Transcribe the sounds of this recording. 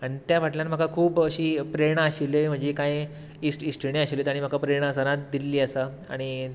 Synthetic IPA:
aɽ̃it̪jaʋ̤aʈljanm̤əkakʰuːpəɕiːpɾeɳaɕiləm̤əɳd͡zekaj | isʈisʈiniaɕiləjt̪aɽ̃im̤akapɾeɳəsənat̪̚d̪ilːiːəsa | a̰ɽ̃i

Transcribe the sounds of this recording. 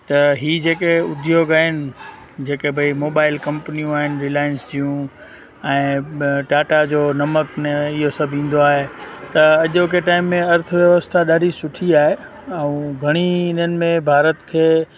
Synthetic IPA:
t̪ɐɦiːd͡ʑeːkeʊd̪ʱijoɠaɪnɪ̆ | d͡ʑeːkebʱɐimoːbaːɪlkɐ̃mpnijũaːɦɪnɪ̆ɾɪlaːjənsd͡ʑijũ | ɛ̃ːʈaːʈad͡ʑoːnɐməkneɪɦosɐbʱĩːn̆d̪oaːɦet̪ɐɐʄokeʈaːɪmːẽɐɾt̪ʰəʋjɐʋəst̪ʰaɗaːɖʱisʊʈʰiaːɦe | ɐũɡʱɐɽ̃iɪnənɪ̆mẽbʱaːɾət̪kʰeː

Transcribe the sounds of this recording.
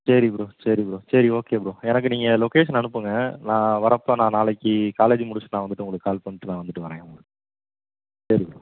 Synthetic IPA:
sɐɾipɪɾosɐɾipɪɾsɐɾioːkeːpɯɾõɛnɐk̬ːɯniːŋɡɐlɔkeːʂɐnɐnɯpːɯŋɡɐnãːʋɐɾɐpːoːnãːnaːlɐkːikaːleːd͡ʒmʊɽʊt͡ʃːnaːʋɐnd̪ɯʈːɯʊŋɡɐɭɯkːaːlpɐɳːɯʈːɯnãːʋɐnd̪ɯʈːɯʋɐɾɐjɐ̃ | sɐɾipɾo

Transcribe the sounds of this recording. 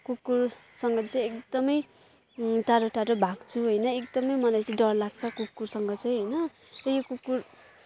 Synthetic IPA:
kukːursʌŋɡʌt͡sʌ̃j̃ekd̪ʌmʌj | ʈaɾoʈaɾobʱaɡt͡sʰuɦʌjnʌekd̪ʌmʌjmʌlajt͡sʌ̃j̃ɖʌrlaɡt͡sʰʌkup̚kːursʌŋɡʌt͡sʌj̃ɦʌjnʌ | rʌjokupkːur

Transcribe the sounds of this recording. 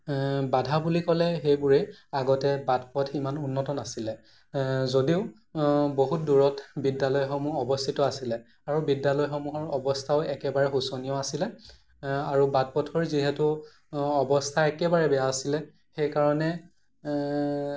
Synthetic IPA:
badʱabulikɔlɛxejbʊɹeaɡɔtɛbadpɔtʰimanunːɔtɔnasilɛ | zodiʊ | boɦut̚duɹɔtbidːalɔjxomuɔbɔstʰitɔasilɛ | aɹubidːalɔjxomuɦɔɹɔbɔstʰaʊɛkɛbaɹɛxusonijɔasilɛ | aɹubat̚pɔtʰɔɹziɦɛtu | ɔbɔstʰaɛkɛbaɹɛbɛjaːsilɛ | xejkaɹɔnɛ

